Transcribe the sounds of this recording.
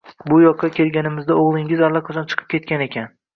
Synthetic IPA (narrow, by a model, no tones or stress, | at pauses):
bʊjɒqʰːɑkʲʰe̞lɡʲanɪmɪzd̪aoʁlˠɪŋɪzalːˠɒqʰat͡ʃʰɒnt͡ʃʰɨ̥qʰɨ̥p̚kʲʰe̞t̪̚kʲane̞kʲʰan